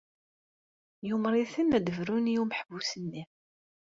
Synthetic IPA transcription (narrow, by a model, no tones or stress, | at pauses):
jumɾˤiθənːæd̪əvɾunjuməħvusənːi